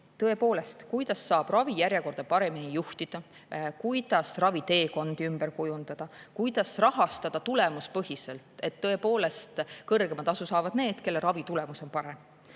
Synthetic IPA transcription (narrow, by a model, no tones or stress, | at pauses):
t̪ɤe̞poːle̞st̪kujd̪̥ɑsːɑːb̥rɑvijæɾʲjeko̞rd̪̥ɑpɑɾe̞minijuht̪id̪̥ɑ | kujd̪̥ɑsrɑvit̪e̞ːko̞nd̪̥iymb̥erkujund̪̥ɑd̪̥ɑkujd̪̥ɑsrɑɦɑst̪ɑd̪̥ɑt̪ule̞muspɤɦise̞lt̪ˑe̞t̪ːɤ̞e̞po̞ːle̞st̪kɤrɡ̥e̞mɑd̪ɑsusɑːvɑd̪ne̞ːd̪̥ke̞lːeɾɑvit̪ule̞muso̞npɑɾe̞m